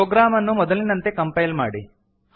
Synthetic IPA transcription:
oːɡɾaːmɐnːumɔd̪ɐlinɐnt̪e̞kɐmpɐjlmaːɽi

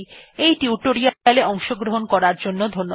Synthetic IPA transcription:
ejʈiuʈoɾialeɔŋʃoɡɾoɦonkɔɾaɾd͡ʑonːod̪ʱonːo

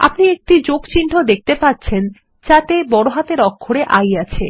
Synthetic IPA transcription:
a̰pniek̚ʈid͡ʑokt͡ɕiɳʈʰod̪ek̚ʰt̪epat̚ːt͡ɕʰen | t͡ɕat̪ebɔɽoɦat̪eɾɔkʰːoɽeʔajat͡ɕʰḛ

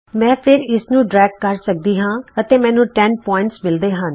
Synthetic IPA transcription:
mɛ̃ːpʰɪɾɪsnũːɖɾɛːɡ̚kəɾsək̚d̪iːɦãːət̪eːmɛ̃ːnũːʈɛnpɔːɪ̃ɳʈsmɪld̪eːɦən

